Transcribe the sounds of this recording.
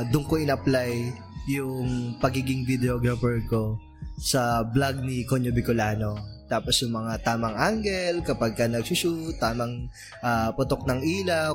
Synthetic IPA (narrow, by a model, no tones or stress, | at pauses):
d̪ʊŋkoɪnɐplajː | ʊŋpɐɡiɡɪŋvɪd̪ɛoɡɾɐfɛɹko̞ | sɐblaɡ̚nikoɲobɪkolaːno̞t̪aːposjʊŋmɐŋat̪aːmɐŋʔaŋɡɛlkɐpaɡ̚kɐnɐɡ̚sʊʃut̪ːaːmɐŋ | ʔapʊt̪ok̚nɐŋʔiːlɐ